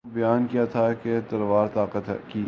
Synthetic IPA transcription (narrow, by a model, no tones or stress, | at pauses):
bɐjaːnkijat̪ʰaked̪ɐɾʋaːɾt̪aːqət̪ki